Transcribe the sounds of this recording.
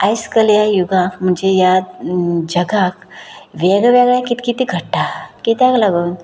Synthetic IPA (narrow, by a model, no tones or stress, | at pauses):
ajskəljajuɡãkm̤əɳd͡zeja | d͡ʑəɡakʋeɡʋaɡjakit̪kit̪iɡʱəʈʈakit̪jaɡlaɡuːn